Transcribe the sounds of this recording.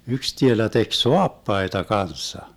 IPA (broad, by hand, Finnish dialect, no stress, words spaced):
yks tielæ tek soɑpːɑitɑ kɑnsːɑ